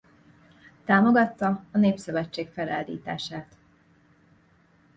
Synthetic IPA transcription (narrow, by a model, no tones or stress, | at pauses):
t̪aːmo̞ɡɒt̪ːɒɒneːpsøvɛt͡ʃːeːkfɛlaːld̪ḭːt̪a̰ːʃaːt̪